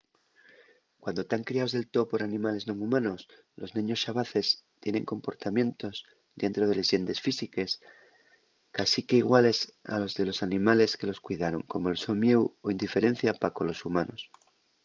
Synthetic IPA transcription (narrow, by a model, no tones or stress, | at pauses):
kwand̪ot̪aŋkɾiao̞zðelt̪o̞po̞ɾanĩmale̞zno̞ŋumãno̞s | lo̞znĩɲo̞sʃaβaθe̞st̪je̞nẽ̞ŋko̞mpo̞ɾt̪amjẽ̞nt̪o̞z | ðe̞nt̪ɾo̞ðe̞leze̞nd̪e̞sfisike̞s | kasike̞iɣwale̞sa̰lo̞zðe̞lo̞sanĩmale̞ske̞lo̞skwiðaɾo̞ŋko̞molso̞ŋmjewoind̪ife̞ɾẽ̞n̟θjapako̞lo̞sumãno̞s